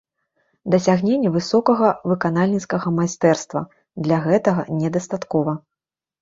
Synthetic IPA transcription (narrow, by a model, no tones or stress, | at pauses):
d̪ɐsʲaɣnʲenʲːɛvɨsɔkɐɣɐvɨkanalʲnʲit̪skɐɣɐmajst̪ɛrst̪vɐ̰ | d̪lʲaɣɛt̪ɐɣɐnʲɛd̪ɐst̪at̪kɔvɐ